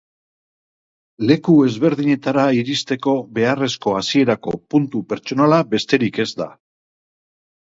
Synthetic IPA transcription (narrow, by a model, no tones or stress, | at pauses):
le̞kue̞zβe̞ɾðiɲe̞t̪aɾaiɾist̪e̞ko̞βe̞are̞sko̞asie̞ɾako̞punt̪upe̞ɾt͡ʃo̞nalabe̞st̪e̞ɾike̞zd̪a̰